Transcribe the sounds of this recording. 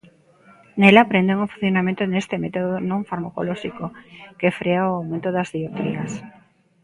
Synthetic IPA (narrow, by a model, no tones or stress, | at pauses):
nelapɾend̪eŋofun̟θjonamẽnt̪onest̪emet̪oðonõɱfaɾmako̰loʃikokefɾeaoawmẽnt̪oðazðiot̪ɾḭɐ̰s